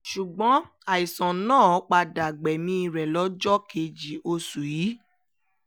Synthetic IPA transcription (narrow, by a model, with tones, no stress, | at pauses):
ʃu˨ɡ͡bɔ̃˨˦ | a˨i˨sɔ̃˨nãː˦˨ɔ˨˦k͡pa˧da˨ɡ͡bɛ˨mĩ˧˦i˧ɾɛ˨lɔ˨˦d͡ʒɔ˦ke˨d͡ʒi˨o˧su˨ji˨˦